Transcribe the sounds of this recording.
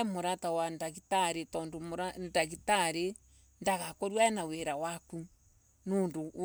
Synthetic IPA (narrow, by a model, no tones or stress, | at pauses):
moɾatawandaɣitaɾetɔndoɾadaɣitaɾe | ndaɣakoɾwaɛnaweɾawaku | noːndo